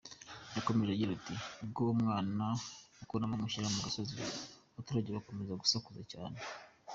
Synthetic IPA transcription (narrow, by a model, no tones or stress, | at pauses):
jako̞meʒeɟiɾatiɡomŋaːnaukonamamuʃiɾamuɡasozi | atuɾaɟeβako̞mezaɡusakuzaca̰ːne